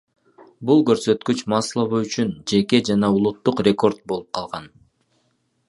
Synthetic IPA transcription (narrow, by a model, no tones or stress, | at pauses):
bulˠkø̞ɾsø̞t̪kyt͡ʃmɑslˠəβɯyt͡ʃynd͡ʒe̞ke̞d͡ʒɑnɑulˠut̪ːuqrʲe̞ko̞rt̪̚bo̞lˠup̚qʰɑlˠʁɑn